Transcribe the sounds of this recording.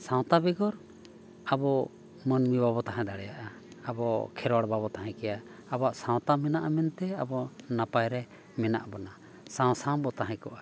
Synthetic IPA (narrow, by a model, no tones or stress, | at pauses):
sãw̃t̪abɛɡɔɾ | abɔ | mənmibabɔt̪aɦɛ̃d̪aɽɛjaʔaː | bɔ̰kʰɛɾwaɽbabɔt̪aɦɛ̃kɛja | abaʔsãw̃t̪amɛnaʔamɛnt̪ɛabɔnapajɾɛ | mɛna̰ʔbɔna | sãw̃sãw̃bɔt̪aɦɛ̃kɔʔa